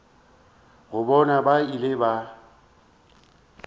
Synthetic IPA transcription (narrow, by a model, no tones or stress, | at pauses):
ɣʊbɔnabailɪba